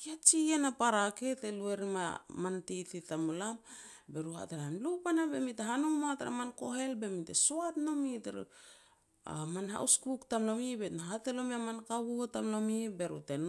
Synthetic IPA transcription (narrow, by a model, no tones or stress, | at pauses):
kiat͡ʃienapaɾake̞telueɾimamantititamulam | be̞ɾuha̰tenamlupanabemiteɦanoŋmataɾa̰manko̞ɦe̞lbe̞mitḛsoatno̞miteɾ̰ | a̰manɦa̰uskuktamlo̞mibenaɦatelo̞miamankaβutamlomibe̞ɾuten